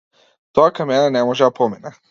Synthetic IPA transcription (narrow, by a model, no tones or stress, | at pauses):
t̪oakamenanemoʒɛapomena